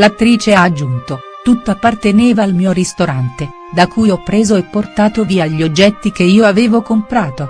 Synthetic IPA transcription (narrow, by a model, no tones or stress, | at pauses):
lat̪ːɾiːt͡ʃead͡ʒːunt̪o | t̪ut̪ːoapːart̪eneːvaːlmiːoɾist̪oɾant̪e | d̪akuːjɔpːɾeːzoɛpːort̪aːt̪oviːaʎːod͡ʒːɛt̪ːik̟eiːoaveːvokompɾaːt̪o